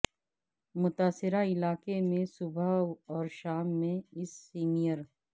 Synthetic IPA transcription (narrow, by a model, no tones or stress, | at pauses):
mʊt̪aːsɪɾaɪlaːkemẽsʊbʱaːɔːɾʃaːmːẽɪsːiːnijəɾ